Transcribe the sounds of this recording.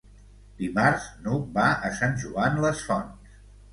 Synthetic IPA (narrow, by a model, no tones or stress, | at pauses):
d̪imaɾznubaəsanʲʒuanləsfɔns